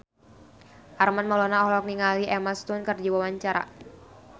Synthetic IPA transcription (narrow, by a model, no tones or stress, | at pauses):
ʔarmanmalɔnaɔhlɔk̚niŋaliʔɛmast̪unkərd͡ʒawawaɲt͡ʃaɾa̰